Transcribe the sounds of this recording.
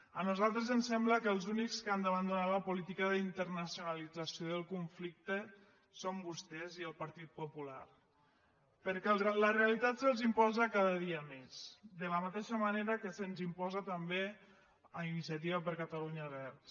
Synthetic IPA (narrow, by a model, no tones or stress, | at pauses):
ənuzalˠt̪ɾəzənsɛmbləkəlˠzunikskəand̪əβənd̪unaləpulit̪ikəðəint̪əɾnəsiunalid͡zəsioðəlˠkuɱflik̚t̪ə | sombust̪ɛziəlˠpəɾt̪it̪̚pupula̰r | pəɾkɛlləreəlit̪at̪sənzimpɔzəkaðəðiəmesd̪ələmat̪eʃəmaneɾəkəsənzimpɔzət̪əmbe | əinisjət̪iβəpəɾkət̪əluɲəβɾs